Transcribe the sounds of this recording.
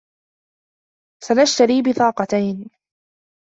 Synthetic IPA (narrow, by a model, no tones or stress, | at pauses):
sanaʃt̪aɾiːbɪθɑːqɑt̪ajn